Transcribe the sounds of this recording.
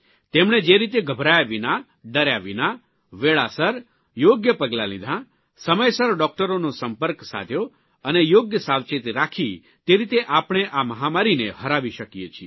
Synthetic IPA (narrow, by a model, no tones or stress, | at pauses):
t̪emɳ̃ed͡ʒeɾit̪eɡʱəbʱɾajaʋina | ɖəɾjaʋina | ʋeɭasəɾ | joɡjəpəɡlalid̪ʱã | səməjsəɾɖɔk̚ʈəɾonõsəmpəɾksa̰t̪ʰjo | ənejoɡjəsaʋt͡ʃet̪ɾakʰi | t̪eɾit̪eʔapɽ̃eʔaməɦamaɾineɦəɾaʋiʃəkijet͡ʃʰi